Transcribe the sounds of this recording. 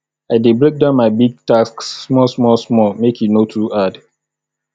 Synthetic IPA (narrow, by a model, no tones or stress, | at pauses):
aɪdebɹek̚dãʊ̃nmaɪbiɡ̚tasksːmɔsmɔsmɔmekʰjunotʰuad